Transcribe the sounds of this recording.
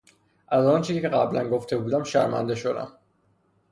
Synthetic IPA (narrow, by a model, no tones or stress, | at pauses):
ʔæzɒːnt͡ʃʰiːzicʰeɣæblænɡo̞ft̪ʰe̞buːd̪æmʃæ̰ɾmæ̰nd̪e̞ʃo̞d̪æ̰m